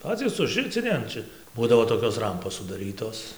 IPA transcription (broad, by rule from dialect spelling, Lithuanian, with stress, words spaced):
ˈpɑːt͡sʲiːs ʊʒʲˈrʲɪt͡sʲɪnʲɪ ɐn ˈt͡ʃʲɛ ˈbuːdɐʋoː toːˈkʲoːs ˈrɐmpoːs sʊdɐˈrʲiːtoːs